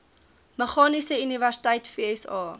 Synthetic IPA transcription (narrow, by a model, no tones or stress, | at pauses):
məχɑːnisəyniværsi̥tɐjtfiːɛsɑː